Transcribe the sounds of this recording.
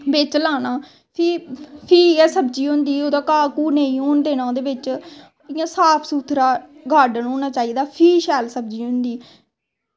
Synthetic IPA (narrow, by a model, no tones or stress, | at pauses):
bɪt͡ʃlaːnaː | pʰiːpʰiːɛːsəbd͡ʒiːʊ̃nd̪iːoːd̪aːkaːkuːneĩːoːnd̪eːnãːd̪eːʋɪt͡ʃ | ɪjãːsaːpʰsuːt̪ʰɾaːɡʱaːɖənɦoːnaːt͡ʃaːiːd̪aːpʰiːʃɛːlsəb̚d͡ʒiːɦʊ̃nd̪iː